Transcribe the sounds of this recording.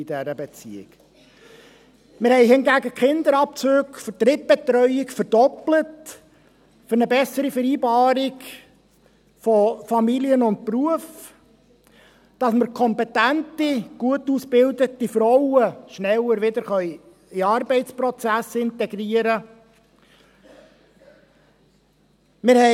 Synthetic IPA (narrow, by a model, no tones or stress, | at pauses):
id̥ɛɾəbɛt͡sḭɪ̰k | mɪɾhɛɪhɪnɡæɡəkχɪnd̪əɾɑp̚t͡søːkfət̪ɾɪt̚b̥ɛt̪ɾœʏɪkfəɾdɔplət | fʏɾnəbɛsəɾifəɾiːbɑːɾɪk | fɔfɑmiliənʊnt̚pruəf | d̥ɑsməɾkʰɔmpɛtæntiɡ̥uətusb̥ɪld̪ətifɾɔʊəʃnɛwəɾʋɪd̪əɾχœʏ | iɑɾbɛɪtt͡ssprɔt͡sæsɪntɛɡɾiəɾə | mɪɾhɛ